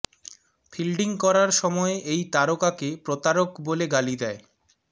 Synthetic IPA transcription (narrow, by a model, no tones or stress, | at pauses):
fʰilɖiŋkɔɾaɾʃɔmɔeʔejt̪aɾokakepɾot̪aɾokboleɡalid̪ɛe